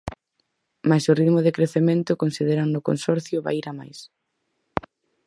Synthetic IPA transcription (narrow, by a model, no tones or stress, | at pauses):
masʊriðmʊðɪkɾeθemẽnt̪ʊkonsið̞eɾaŋnʊko̰nsɔɾθjʊβa̰iɾama̰js